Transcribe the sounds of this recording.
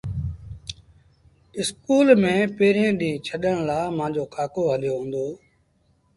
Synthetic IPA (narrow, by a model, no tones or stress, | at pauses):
ɪskuːlmẽːpeːɾẽːɗĩːt͡ʃʰəɗəɽ̃laːmãːd͡ʑoːkʰaːkoːɦəljoːɦũːnd̪oː